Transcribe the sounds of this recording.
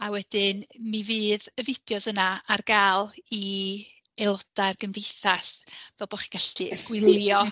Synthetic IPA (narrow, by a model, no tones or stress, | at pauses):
awɛd̥ɪnmivɨːðəvɪd̥jɔsənaarɡalˠi | elˠɔd̥arɡəmdejθasvɛlˠbɔχi̥ɡ̥aɬiɡ̥wɪmɪljɔ